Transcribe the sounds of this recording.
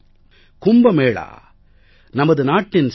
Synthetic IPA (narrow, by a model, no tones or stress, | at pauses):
kʊmbɐmeːɭa̰ː | nɐmɐðɯnaːʈːɪns